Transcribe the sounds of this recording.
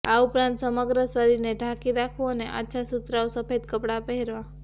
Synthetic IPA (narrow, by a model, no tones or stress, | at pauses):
aupɾãnt̪səməɡɾəsəɾiɾneɖʱakiɾakʰoəneʔa̰tːʃʰasut̪ɾaosəfed̪kəpɽapəɦɛɾʋa